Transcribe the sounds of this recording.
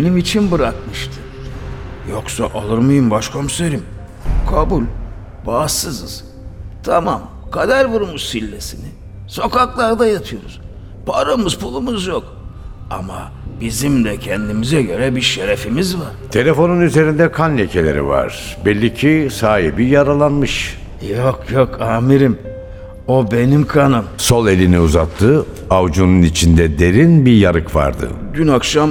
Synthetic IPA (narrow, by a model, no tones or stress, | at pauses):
benimit͡ʃʰinbɯɾakmɯʃt̪ʰɯ̥ | joksaʔalˠɯɾmajɯmbaʃkʰo̞mseɾim | kʰabulʲ | baːsɯzɯz̥ | t̪ʰamam | kʰad̪æɾbuɾumussilʲːe̞sinɪ | so̞kʰaklˠaɾd̪ajat̪ʰɯjo̞ɾuz̥ | pʰaɾamɯzpʰulˠumɯzjok | a̰ma̰ | bizimd̪ɛcʰɛnd̪imizɛɟø̞ɾɛbiɾʃeɾefimizvaɾ̥t̪ʰe̞lʲe̞fo̞nunyze̞ɾind̪ɛkʰanlʲecʰelʲeɾḭva̰ɾ̥ | bɛlʲːicʰisaːɦebijaɾalˠanmɯʃ | jokjokʰaːmiɾim | o̞be̞nimkʰanɯmso̞lˠe̞lʲiniuzat̪ʰːɯ | avd͡ʒununit͡ʃʰind̪ɛd̪e̞ɾinbijaɾɯkva̰ɾd̪ɯ̰ɟʲynakʃam